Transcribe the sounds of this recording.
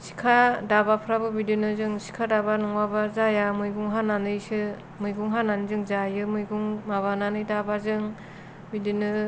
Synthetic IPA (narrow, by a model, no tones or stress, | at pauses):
si̥kʰadabapʰɯɾabɯbidinɯzɯŋsi̥kʰadabanuŋwabazajamɯjɡuŋɦananɯjsɯ | mɯjɡuŋɦananɯzɯŋzajɯmɯjɡuŋmaβananɯjdabazɯŋ | bidinɯ